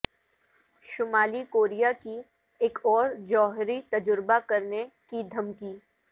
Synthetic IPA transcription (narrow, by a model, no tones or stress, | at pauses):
ʃʊmaːlikoːɾijaki | eːkʰɔːɾd͡ʒɔːɦɾit̪ɐd͡ʒʊɾbakɐɾnekid̪ʱɐmkiː